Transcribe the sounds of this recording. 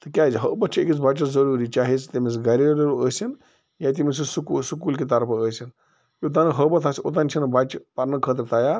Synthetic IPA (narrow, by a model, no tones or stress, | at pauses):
t̪ɨkʲaːziɦəbɐt̪t͡ʃʰiekʲit͡sbat͡ʃɐzɐɾuːɾit͡ʃaːɦit͡sʰt̪imes̬ɡɐɾʲiɾiɾəːsʲin | jat̪imisisukusukuːlkit̪̬ɐɾpʰɐəːsin | jit̪̬anɨɦəbɐt̪ʰasot̪̬anʲt͡ʃʰinɨbat͡ʃpɐɾnɨkʰəːt̪̬ɐɾt̪ɐjaːɾ